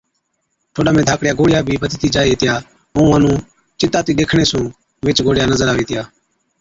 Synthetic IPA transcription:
ʈʰoːɗaːmẽːd̪ʱaːkɽjaːɡoːɽɪjaːbʱiːbət̪ːt̪iːd͡ʒaːieːt̪ɪjaː | ɦuũːənũː | t͡ʃɪt̪aːt̪iːɗ̪eːkʰɳ̃eːsũː | ʋɪt͡ʃɡoːɽɪjaːnəzəɾaːʋeːt̪ɪjaː

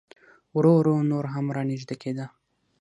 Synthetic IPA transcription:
wɾoɾonoɾɦamɾɑniʒd̪akʰed̪ə

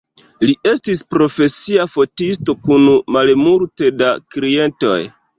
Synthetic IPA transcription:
liʔe̞stispɾo̞fe̞siafo̞tisto̞kunumalmuɾte̞dakɾie̞nto̞̰j

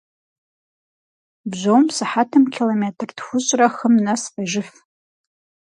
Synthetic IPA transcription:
bʒʷowmsaħatʰɨmkʲʰilometʰrdxʷʊɕʷʼraχəmnasfʼaʒɪf

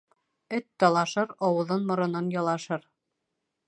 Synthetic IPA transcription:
ɵt̪ːɑlˠɑʃɤɾɑwɤ̆ðɤnmŏɾɤ̆nɤnjɑlˠɑʃɤɾ

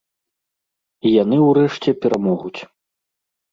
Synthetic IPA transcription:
ijan̪ɨwɾɛʂt͡sʲɛpʲɛɾamɔɣut͡sʲ

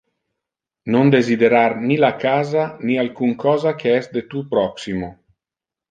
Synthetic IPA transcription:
nond̪ezid̪eɾarnilakaːzanialkuŋkʰɔːzakʰeɛsd̪et̪upɾɔksimo

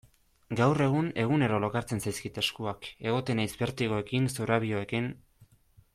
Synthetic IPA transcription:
ɡawre̞ɣ̞une̞ɣ̞une̞ɾo̞lo̞kaɾt͡se̞nsajskit̪e̞skuake̞ɣ̞o̞t̪e̞najzbe̞ɾt̪iɣo̞e̞kinsuɾaβ̞ioe̞kin

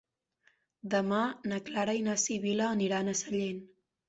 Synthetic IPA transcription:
d̪əmanəklaɾəinasiβiləːniɾanəsəʎen

